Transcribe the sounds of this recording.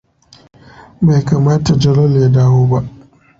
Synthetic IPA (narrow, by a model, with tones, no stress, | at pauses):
ba˨jkaː˨maː˦ta˨d͡ʒɐ˦lɔ˦lja˦daː˦woː˦ba˦ʔ